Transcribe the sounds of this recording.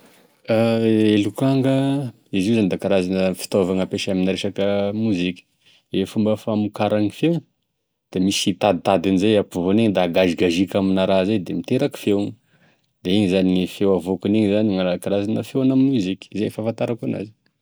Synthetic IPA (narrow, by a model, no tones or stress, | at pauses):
aelukaŋɡə | iziwzanid̪akaɾazanəfi̥t̪ovaŋəpeʃaminiɾeʃakəmuzikʲi̥ | efumbəfamukaɾaŋifew | d̪̥emisit̪ad̪it̪ad̪anizejapuvoneɲd̪aɡaziɡaʒikʲaminaɾazejd̪emit̪eɾaki̥fewŋə | d̪eiɲizaniifewavokuneŋizaniŋakaɾazanəfewanamiuzikʲi̥zefafant̪aɾakana̰zi̥